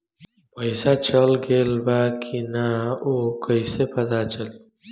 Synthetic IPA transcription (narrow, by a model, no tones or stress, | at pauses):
pəjsat͡ʃəlɡelbakʰinaokʰəjsepɐd̪at͡ʃɐl